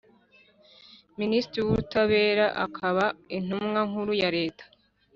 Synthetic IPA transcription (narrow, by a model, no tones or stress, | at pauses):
ministɾiwuɾutaβe̞ːɾaʔa̰kʰaβain̥umŋaŋuɾujaɾe̞ːtḁ